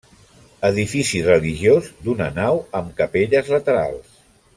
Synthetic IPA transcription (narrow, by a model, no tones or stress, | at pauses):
əðifisirəliʒiozd̪unənawəmkəpeʎəzlət̪əɾa̰lˠs